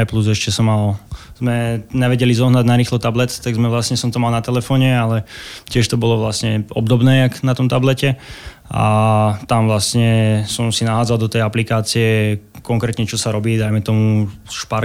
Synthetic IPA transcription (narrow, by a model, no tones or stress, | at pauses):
pluzɛʃcɛsɔmːalz̥mɛɲɛʋɛɟɛlizɔɦnaɟnaɾiːxlɔt̪ablɛt̪t̪aɡzmɛʋlasɲɛsɔmt̪ɔmalˠnat̪ɛlɛfɔːɲɛalɛcɪɛʃt̪ɔbɔlɔʋlasɲɛɔ̰bd̪ɔbnɛːaknat̪ɔmt̪ablɛcɛ | ʔa̰t̪amʋlast̪ɲɛsɔmsinaɦaːd͡zalˠd̪ɔt̪ɛjaplikaːt͡siɛkɔŋkɾɛːt̪ɲɛt͡ʃɔsaɾɔbiːd̪ajmɛt̪ɔmuʃpaɾ